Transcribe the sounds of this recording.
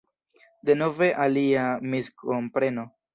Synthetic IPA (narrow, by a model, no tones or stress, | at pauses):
de̞no̞ve̞ʔaliamiskʰompɾe̞no̞